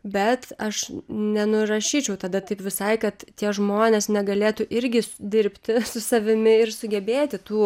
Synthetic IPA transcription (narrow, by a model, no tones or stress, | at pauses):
bʲɛt̪ɐʃnʲɛnʊɾɐʃʲiːt͡ʃʲɛʊt̪ɐd̪ɐt̪ɐɪpʋʲɪsɐɪkɐt̪t̪ʲiɛʒmoːnʲeːsnʲɛɡɐlʲeːt̪uːʔɪɾʲɡʲɪd̪ʲɪɾʲpʲt̪ʲɪsʊsɐʋʲɪmʲɪɪɾsʊɡʲɛbʲeːt̪ʲɪt̪uː